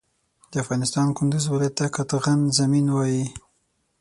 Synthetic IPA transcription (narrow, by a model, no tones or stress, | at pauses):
d̪̥əafɣɑnɪst̪ɑnkʊnd̪uzwɪlɑjat̪ːakat̪ɣanzaminwɑji